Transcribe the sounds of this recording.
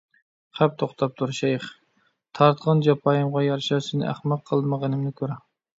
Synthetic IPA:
χæp̚t̪ʰoχt̪ʰɑp̚t̪ʰuɾʃɛjχ | t̪ʰɑɾt̪qʰɑnd͡ʒɑpʰɑjɨmʁɑjɑɾʃɑsɪnɪ̰ʔæ̰χmæq̚qʰəlˠməʁənɨmnɪkʲʰøɾɛ

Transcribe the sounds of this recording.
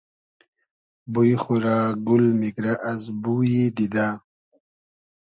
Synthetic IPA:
bujxuɾaɡulmikɾaʔazbujid̪id̪a

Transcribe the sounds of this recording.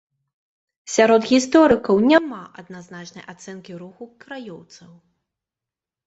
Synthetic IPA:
sʲaɾɔd̪ɣʲist̪ɔɾɨkɐwnʲamaʔɐd̪naznat͡ʂnɐjʔat̪sɛnkʲiɾuxukɾajɔwt̪sɐw

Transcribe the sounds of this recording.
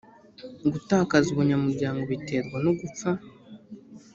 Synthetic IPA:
ɡutaːkazuβuɲamuɾɟaːŋɡo̞βite̞ɾɡwanoɡup͡fa

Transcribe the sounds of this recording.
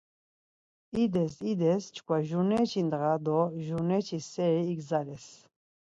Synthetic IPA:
id̪ɛsid̪ɛst͡ʃʰkʰwaʒunɛt͡ʃʰind̪ɣad̪ɔʒunɛt͡ʃʰisːɛɾiːɡzalɛs

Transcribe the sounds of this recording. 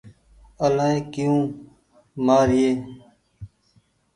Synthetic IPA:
əlaːẽːkijũː | maːɾɪjeː

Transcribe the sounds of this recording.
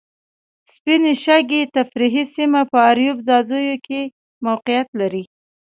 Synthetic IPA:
spineʃaɡet̪afɾiɦisimapəaɾjubzɑzəjokʰe | mawqɪjat̪laɾi

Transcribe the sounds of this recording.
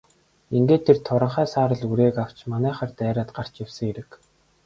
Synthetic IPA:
iŋɡeːt̪ʰːert̪ʰʊɾə̆ɴχæːsaːɾə̆ɮuɾeːkaw̥t͡ɕmanæːχaːrt̪æːɾaːt̪ɢar̥t͡ɕjawsɘ̆ŋeɾɘ̆k

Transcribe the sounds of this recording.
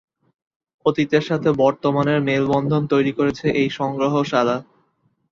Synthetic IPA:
ot̪it̪eɾʃat̪ʰebɔɾt̪omaneɾmelbɔnd̪ʱont̪ojɾikoɾet͡ɕʰeʔejʃɔŋɡɾoɦoʃala

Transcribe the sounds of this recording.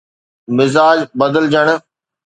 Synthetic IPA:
mɪzaːd͡ʑbəd̪əld͡ʑəɽ̃̆

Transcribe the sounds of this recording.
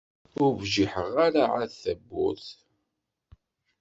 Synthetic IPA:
ʊɾvʒiħəʁaɾaʕaθæbːʊ̰θ

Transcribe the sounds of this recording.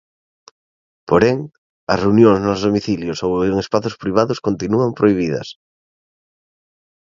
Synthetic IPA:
poɾeŋ | ɐsreunjõŋznozðomiθiljosoweŋespaθʊspɾiβ̞aðʊskont̪inuampɾoiβ̞iðɐ̰s

